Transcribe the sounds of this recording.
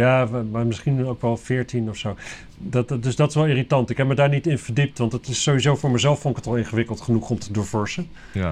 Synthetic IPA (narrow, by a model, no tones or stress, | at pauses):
jaːmaɹmɪsχinowkʋɛlˠv̥ɪːɹtinɔfsow | ddɵsdɑtɪ̥sʋɛlˠɪːritɑntɪkɦɛp̚mədaːɹnitɪnv̥əɹdip̚tʋɑntətɪsːowizowfʊːɹməzɛlˠfɔnɪkətɑlˠɪnχəʋɪkəlˠtχənuχɔmtʰədʊːɹv̥ɔɹsən